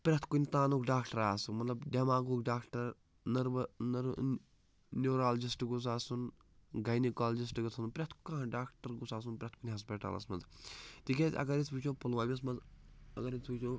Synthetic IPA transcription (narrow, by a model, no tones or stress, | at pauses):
pɾʲɐt̪ʰkunʲt̪aːnukɖaːkʈɐɾaːsumɐt̪lɐbɖemaːɡukɖaːkʈɐɾ | nɐɾʋnɐɾ | nʲoːɾaːld͡ʒisʈɨɡus̬aːsun | ɡɐjnikaːld͡ʒis̬ʈɨɡɐt̪ʰɐnpɾʲɐt̪ʰkãːɖaːkʈɐɾɡusaːs̬unpɾet̪̚ʰkunʲɦɐspʲiʈa̰ːlɐ̰smɐnzt̪ikʲetʲɐ̰ɡɐɾisput͡ʃʰopulʋaːmʲis̬mɐnzɐɡɐɾinʲspukt͡ʃʰoː